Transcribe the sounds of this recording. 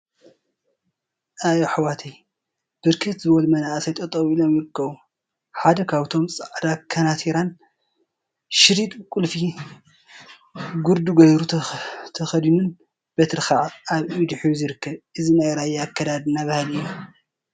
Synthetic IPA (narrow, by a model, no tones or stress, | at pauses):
ʔajoħawat̪ʰɐj | b̥ɨɾkʰɨt̪zɨβɐlmɐnaʔsajt̪ʼɐt̪ʼːɐβilo̞mjɪɾɨkʰːɐβu | ħad̪ɐkʰaβt̪ʰo̞msʼaʕd̪akʰːɐnat̪ʰiɾan | ʃɪɾit̪ʼkʼulfi | ɡuɾd̪uɡɐjɾut̪ʰɐxɐd̪inun | b̥ɐt̪ʰɨɾxaʕaβid̪ɨħjuzɨɾɨkːɐβʔɨzinajɾajakːɐd̪ad̪ɨnːaβahɨlɨjːo